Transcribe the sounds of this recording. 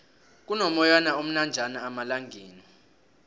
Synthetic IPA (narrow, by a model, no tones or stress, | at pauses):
k̬unɔmɔjanaom̩nand͡ʒʱanaːmalaŋɡʱeːni